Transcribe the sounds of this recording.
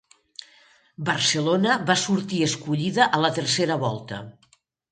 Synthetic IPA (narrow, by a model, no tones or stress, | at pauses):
bərsəlonəβasuɾt̪iəskuʎiðəʔələt̪əɾseɾəβɔlˠt̪ə̰